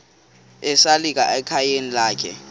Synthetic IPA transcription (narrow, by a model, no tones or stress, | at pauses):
ɛsalik̬aʔɛkʰajenilaːkʰɛ̰